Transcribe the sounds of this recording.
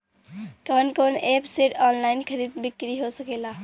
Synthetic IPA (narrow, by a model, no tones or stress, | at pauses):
kəɦnkonʔepseʈɔnlaɪnkʰəɾid̪̚bikɾiɦosəkela